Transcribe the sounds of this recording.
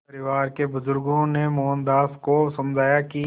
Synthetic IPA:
pɐɾɪʋaːɾkebʊzʊɾɡõnemɔːnd̪aːskosɐ̃md͡ʒʱaːjaki

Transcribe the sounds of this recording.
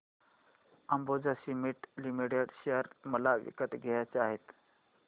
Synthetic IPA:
əmbod͡zasimiʈlimiʈeɽɕeəɾməlaʋḭkət̪ɡʱejat͡saɦet̪

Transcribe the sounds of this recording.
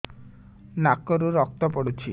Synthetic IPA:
nakːɔɾuɾɔk̚t̪ɔpɔɽut͡ʃʰi

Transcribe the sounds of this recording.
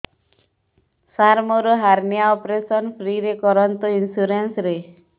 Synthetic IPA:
saɾmoɾoɦaɾnijaɔpɾesɔnpʰɾiɾekɔɾɔnt̪ɔinsuɾensɾe

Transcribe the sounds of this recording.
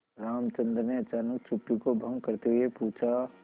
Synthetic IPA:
ɾaːmt͡ʃə̃nd̪ɾəneɐt͡ʃaːnək̚t͡ʃʰupːikobʱə̃ŋɡ̚kəɾt̪eɦʊepuːt͡ʃʰa

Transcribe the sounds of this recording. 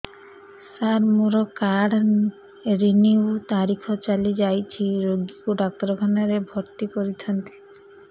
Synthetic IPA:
saɾmuɾɔkaɽ | ɾiniwt̪aɾikʰɔt͡ʃalid͡ʒajt͡ʃʰiɾoɡikuɖak̚t̪ɾɔkʰanaɾebʱɔɾt̪ikɔɾit̪ʰɔnt̪i̥

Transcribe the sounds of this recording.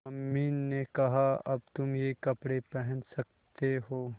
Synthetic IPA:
ɐmːiːnːekɐɦaɐb̚t̪ʊmjekɐpɽepɛɦɛ̃nsɐk̚ | tt̪eɦoː

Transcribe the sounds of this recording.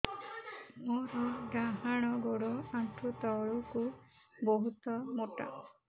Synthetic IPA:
mɔɾɔɖaɦaɽ̃ɔɡoɽɔaʈʰut̪ɔɭuku | boɦut̪ɔmoʈa̰

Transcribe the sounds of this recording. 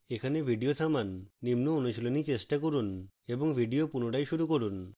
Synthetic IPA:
ekʰanebʱiɖiot̪ʰamanːimnoonuʃilonit͡ɕeʃʈakoɾuneboŋbʱiɖiopunoʈajʃuɾukoɾun

